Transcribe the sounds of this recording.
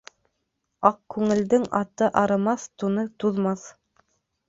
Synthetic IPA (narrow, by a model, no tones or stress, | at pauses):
ɑq̚kʉŋɘ̆ld̪ɘŋɑt̪ɤʔɑɾɤ̆mɑθt̪unɤt̪uðmɑθ